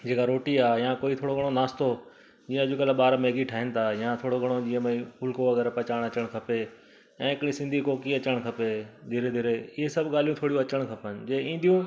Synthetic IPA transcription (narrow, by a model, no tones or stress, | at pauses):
d͡ʑeːkaɾoːʈiaːɦjãkoːit̪ʰoːɽoɡɐɽ̃onaːst̪o | d͡ʑiːə̃ɐd͡ʑukɐlaɓaːɾmeːɡiʈʰaːɦɪnɪ̆t̪ʰajãt̪ʰoːɽoɡʱɐɽ̃od͡ʑĩːə̃mẽĩpʊlkoʋɐɡɛːɾpɐt͡ɕaːɽ̃ɐt͡ɕəɽ̃kʰɐpe | ɛ̃ːɦɪkɪɽ̃ĩsɪ̃nd̪ʱikoːkiɐt͡ɕəɽ̃kʰɐped̪ʱiɾed̪ʱɪɾeɪɦesɐbʱɠaːl̤ijũt̪ʰoːɽijũɐt͡ɕəɽ̃kʰɐpənɪ̆d͡ʑeːĩːnd̪ijũ